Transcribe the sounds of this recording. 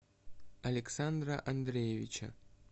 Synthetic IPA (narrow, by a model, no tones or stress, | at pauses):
ɐlʲeksand̪ɾaʔɐnd̪ɾʲejevʲit͡ɕa̰